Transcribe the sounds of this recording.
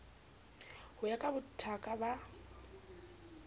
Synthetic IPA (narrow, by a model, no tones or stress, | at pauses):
hʊjakʼabʊtʰakʼaba